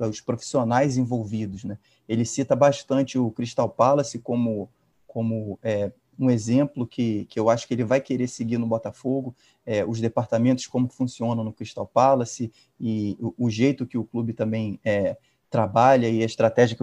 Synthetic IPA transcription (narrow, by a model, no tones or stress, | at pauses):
ɐʊʃpɾofi̥sionajzẽvowvid̪ʊznɛ | elɪsit̪ɐbaʃt̪ɐ̃nt͡ʃɪʊkɾiʃt̪awpalɐsɪkõmʊ | kõmʊɛ | ũezẽmplʊkʰɪkɪewaʃʊ̥kɪelɪvajkeɾesɪɡinʊbɔt̪ɐfoɡʊ | ɛʊzd̪epaɾt̪amẽnt̪ʊskõmʊkɪ̥fũsiõnɐ̃w̃nʊkɾiʃt̪awpalɐsɪ | ɪːʒejt̪ʊkɪʊklubɪt̪ɐ̃mbẽj̃ɛ | t̪ɾabaʎɐɪɐɪʃt̪ɾat̪ɛʒiɐk